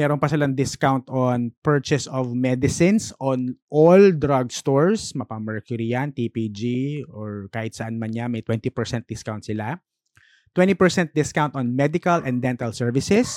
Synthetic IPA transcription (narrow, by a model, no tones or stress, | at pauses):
mɛːɾonpɐsɪlaŋd̪ɪskawnt̪onpɛɹt͡ʃɛsɔvmɛd̪ɪsɪnsɔnʔold̪ɾaɡst̪oɹsmɐpɐmɛɹkjʊɾijant̪ipid͡ʒioɹkaːhɪt̪sɐʔanmɐnɲamɐjt̪wɛnt̪ipɛɹsɛnt̪̚d̪ɪskawnt̪̚sɪla | t̪wɛ̃nt̪ipɛɹsɛnt̪̚d̪ɪskawnt̪ɔnmɛd̪ɪkɐlʔɛ̃nd̪ɛnt̪ɐlsɛɹvɪsɛs